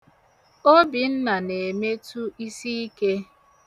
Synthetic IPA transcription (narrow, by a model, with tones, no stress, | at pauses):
o˦bi˨n̩˦na˨ne˨me˦tu˦i˦si˦i˦ke˦